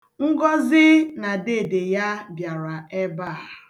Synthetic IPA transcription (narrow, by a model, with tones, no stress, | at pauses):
ŋ̩˦ɡɔ˦zɪ˦na˨de˦˨de˨ja˦bja˨ɾa˨e˦ba˦˨